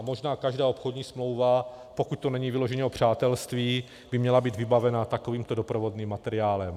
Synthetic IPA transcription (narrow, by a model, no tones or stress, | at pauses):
mo̞ʒnaːkaʒdaːʔopxodɲiːsmlo̞wva | po̞kuc̚t̪onɛɲiːvɪlo̞ʒɛɲɛo̞pr̝̥aːt̪ɛlst̪viː | bɪmɲɛlabiːd̪vɪbavɛnat̪ako̞viːmt̪o̞dopɾovo̞dniːmːat̪ɛɾɪaːlɛm